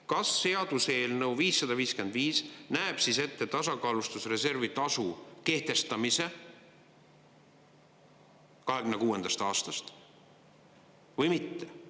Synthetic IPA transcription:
kɑsːe̞ɑd̪̥use̞ːlnəwviːsːɑd̪̥ɑviːskyend̪̥viːsnæeb̥sise̞t̪ːet̪ːɑsɑkɑːlust̪usre̞se̞rvit̪ɑsuke̞ht̪e̞st̪ɑmise̞ | kɑɦe̞ɡ̥ymne̞kuːe̞nd̪ɑst̪ɑːst̪ɑst̪ | vɤjmit̪ːe̥

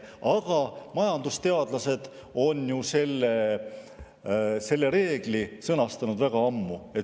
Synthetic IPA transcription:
ɑɡ̥ɑmɑjɑnd̪ust̪e̞ɑd̪lɑse̞d̪̥ | o̞njuse̞lːe | se̞lːe̞ɾe̞ːɡ̥lisɤnɑst̪ɑnud̪væɡ̥ɑɑmːue̞t̪

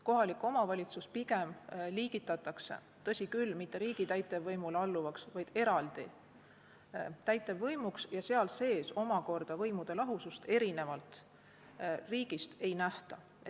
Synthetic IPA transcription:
ko̞ɦɑlikːˑo̞mɑvɑlʲit̪suspiɡ̥e̞mliːɡ̥it̪ːˑɑt̪ːˑɑksḛ | t̪ɤ̞sʲikylmit̪ːe̞ɾiːɡ̥it̪æjt̪ːˑe̞vːɤjmulɑlːuvɑksvɑjd̪̥e̞ɾɑld̪̥i | t̪æjt̪ːˑe̞vːɤjmuksjɑse̞ɑlse̞ːso̞mɑko̞rd̪̥ɑvɤjmud̪̥e̞lɑɦusust̪e̞ɾine̞vɑlt̪ˑ | riːɡ̥ist̪e̞jnæht̪ɑ | e

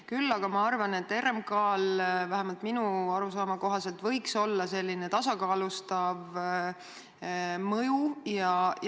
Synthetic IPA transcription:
kylːɑɡ̥ɑmɑɑrvɑne̞t̪ːe̞rmkɑːlvæɦæmɑlt̪minuɑɾusɑːmɑko̞ɦɑse̞lt̪vɤ̞jkso̞lːɑse̞lʲːinet̪ɑsɑkɑːlust̪ɑv | mɤjujɑ

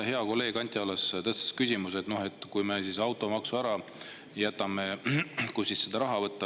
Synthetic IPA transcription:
he̞ɑko̞lːe̞ːɡ̥ɑnʲt̪ʲˑjolest̪ɤst̪e̥skysʲimus̬e̞t̪nohe̞t̪ːˑkujmesisɑwt̪ːˑo̞mɑksuæɾɑ | jæt̪ːˑɑme̞kujsisːed̪̥ɑɾɑɦɑvɤt̪ːˑɑ

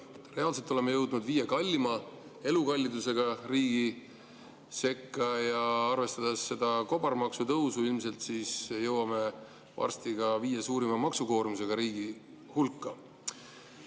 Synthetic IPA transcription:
re̞ɑls̬et̪ːˑo̞le̞mejɤwd̪nud̪viːjekɑlʲːimɑ | e̞lukɑlʲːid̪use̞ɡ̥ɑriːɡ̥i | se̞kːɑjɑɑrve̞st̪ɑd̪̥esːe̞d̪̥ɑko̞b̥ɑrmɑksut̪ɤwsuilmse̞lt̪siːsjɤwɑme̞ | vɑ̰rst̪iɡ̥ɑviːjesuːɾimɑmɑksuko̞ːɾumise̞ɡ̥ɑɾiːɡ̥i | hulkːɑ

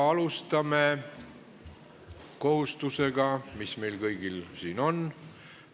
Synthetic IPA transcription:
ɑlust̪ɑme̞ | ko̞hust̪use̞ɡ̥ɑmisme̞jlkɤjɡ̥ilsiːno̞n

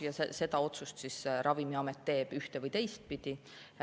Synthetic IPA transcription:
jɑsese̞d̪ɑo̞t̪sust̪sisɾʔɑvimiɑmet̪ːe̞ːb̥yht̪evɤjt̪e̞jst̪̚pid̪̥i

